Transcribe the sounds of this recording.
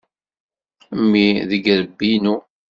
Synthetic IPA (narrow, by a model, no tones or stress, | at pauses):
mːiðəɡɾəbːinu